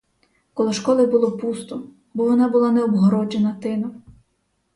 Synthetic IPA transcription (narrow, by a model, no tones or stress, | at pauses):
kɔlˠɔʃkɔlˠɪbʊlˠɔpust̪ʊ | bɔʋɔnɑbʊlˠanɛɔbɦɔɾɔd͡ʒenɐt̪ɪnɔ